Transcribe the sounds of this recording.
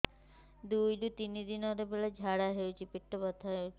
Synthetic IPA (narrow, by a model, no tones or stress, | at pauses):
d̪ujdut̪inid̪inɔɾebelad͡ʒʱaɽaɦewt͡ʃʰipiʈːobɔt̪ʰːaɦewʰi